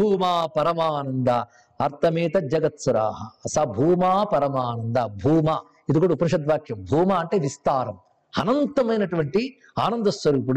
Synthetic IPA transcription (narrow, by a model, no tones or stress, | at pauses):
bʱuːmaːpɐɾɐmaːnɐnd̪ɐ | ɐɾt̪ʰɐmiːt̪ɐd͡ʒɐɡɐt̪suɾa̰ːɦɐsɐbʱuːmaːpɐɾɐmaːnɐnd̪ɐbʱuːmaː | id̪ukuːɽupɐɾuʂɐd̪ʋaːkʰjɐmbʱuːmaːɐɳʈeːʋist̪aːɾɐm | ɐnɐnt̪ɐmɐjnɐʈuʋɐɳʈi | aːnɐnd̪ɐsʋɐɾuːp̬uɽu